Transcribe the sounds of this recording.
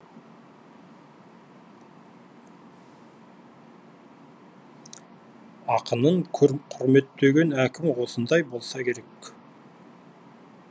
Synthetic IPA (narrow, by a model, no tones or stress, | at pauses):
ɑqənəɴqʰʊɾme̞t̪ːeɡʲe̞nækʲɪmwo̞sənd̪ɑjbo̞lˠsɑkʲʰe̞ɾe̞k